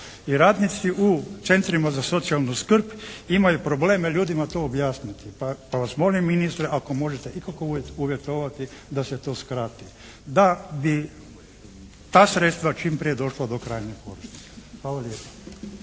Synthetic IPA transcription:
iɾaːd̪nit̪siʔut̪se̞nt̪ɾimazaso̞t̪sialnuskr̩pimajupɾo̞ble̞ːmeʎuːd̪imat̪oːobjaːsnit̪ipapaʋasmo̞limːinist̪ɾeʔako̞mo̞ʒet̪eʔikakouuʋje̞t̪o̞ʋat̪id̪aset̪o̞ːskɾat̪i | d̪abi | t̪aːsɾet̪st̪ʋat͡ʃiːmpɾijed̪o̞ʃlad̪o̞kɾaːjɲepoɾisnike̥xʋaːlaljeːpḁ

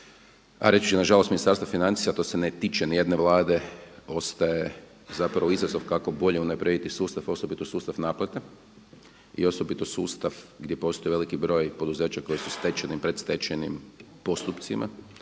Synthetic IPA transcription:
a̰ɾe̞t͡ʃi̥t͡ʃenaʒalost̪minist̪aɾst̪ʋafinant̪sijat̪o̞senet̪iːt͡ʃenije̞d̪ne̞ʋlˠaːd̪e̞o̞st̪aje | zapɾaʋoizazo̞ʋkako̞bo̞ʎeunapɾed̪it̪isuːst̪afo̞sobit̪o̞suːst̪afnaːplˠat̪e | ḭo̞so̞bit̪o̞suːst̪aʋɡd̪ʲje̞po̞st̪o̞jiʋe̞likibɾo̞ːjpo̞d̪uzeːt͡ɕakojesust̪et͡ʃenipɾe̞d̪st̪e̞t͡ʃenimpo̞st̪upt̪simʔa̰

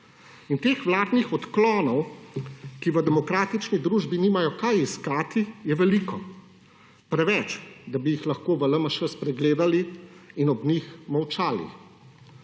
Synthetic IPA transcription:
int̪eːxʋlaːd̪nixɔt̪klɔːnɔw | kiʋəd̪ɛmɔkɾaːt̪it͡ʃnid̪ɾuːʒbiniːmajɔkajiskaːt̪ijɛʋɛliːkɔ | pɾɛʋɛt͡ʃd̪abijixlaxkoːʋələmaʃɛspɾɛɡleːd̪aliinɔbnixmɐwt͡ʃaːlḭ

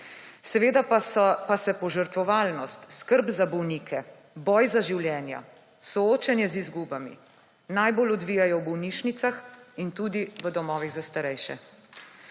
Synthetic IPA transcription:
sɛʋeːd̪apasɛpɔʒəɾt̪ʋɔʋaːlnɔst̪skəɾbzabɔwniːkʰɛ | bɔjzaʒiwljɛːnja̰ | sɔoːt͡ʃɛnjɛzizɡubamḭ | najbolɔd̪ʋiːjajɔwbɔwniːʃnit̪saxint̪uːd̪iʋəd̪ɔmɔːʋiɣzast̪aɾɛjʃɛ̰

